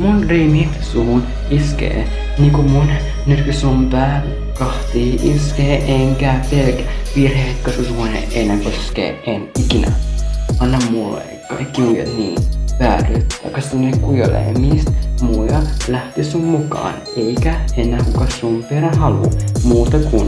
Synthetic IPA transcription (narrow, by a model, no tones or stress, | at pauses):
munremit̪suɦun | iskḛː | niːkumun | nyrkysumpæːr | kɑht̪iːʔiskeːʔeŋkæːpelkʋirhet̪kosesuhunḛʔenːẽŋkosskḛːʔenikinʔæ̰ɑnːɑmmulḛkːɑ̰kːiujɑ̰t̪niːnʋæːryt̪t̪ɑkːɑsnekujolḛmist̪mujɑlæht̪isummukɑ̰ːn | eikæenːækukɑsumpeɾænɦɑlṵmuːt̪ɑkun